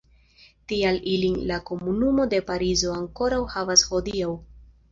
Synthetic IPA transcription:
tialilinlako̞munumo̞de̞paɾizo̞aŋko̞ɾawhavasho̞diaw

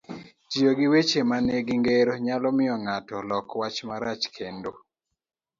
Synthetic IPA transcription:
t͡ʃijoɡiwet͡ʃemanɛɡiŋɡeɾoɲalɔmɪɔŋatɔlɔkwat͡ʃmaɾat͡ʃkʰendo

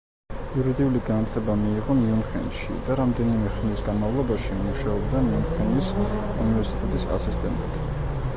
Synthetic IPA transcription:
iuɾid̪iuliɡanat̪ʰlɛbamiːʁɔmiumχɛ̰nʃḭd̪aɾamd̪ɛnimɛχnisɡanmavlˠɔbaʃimuʃaɔbd̪amiumχɛnis | ṵnivɛɾsi̥t̪ʼɛt̪ʼisa̰sist̪ʼɛ̰nt̪ʼit̪ʰ

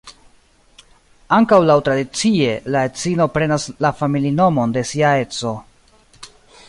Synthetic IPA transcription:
aŋkawlawtɾadit͡sie̞lae̞t͡sino̞pɾe̞naslafamilino̞mo̞nde̞siae̞t͡so̞

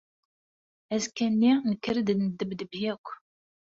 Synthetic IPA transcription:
æzkænːinəkːəɾd̪nd̪əbd̪əbjækʷː

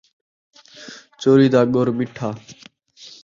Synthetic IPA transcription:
t͡ʃoːɾiːd̪aːɠoɾmɪʈʰaː

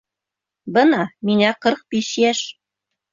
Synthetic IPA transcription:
bɤnɑmiŋæqɤɾq̚biʃjæʃ

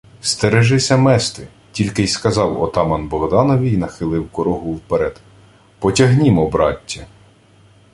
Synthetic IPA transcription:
st̪eɾeʒɪsʲɐmɛst̪ɪ | tʲilʲkɪjskɐzɑwɔ̰t̪ɑmɐnbɔɦd̪ɑnɔʋʲijnɐxɪlˠɪwkɔɾɔɦʊwpeɾɛd̪̥ | pɔtʲɐɦnʲimɔbɾɑtʲːɐ

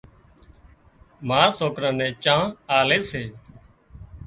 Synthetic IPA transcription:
maːsoːkɾãːnɛ̃ːt͡ʃãːaːleːseː

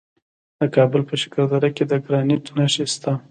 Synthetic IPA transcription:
d̪̥əkɑbəlpəʃɪ̥kaɾd̪aɾaked̪əɡɾɑnit̪naʃest̪a

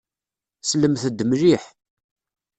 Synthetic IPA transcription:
sləmθəd̪ːmliħ

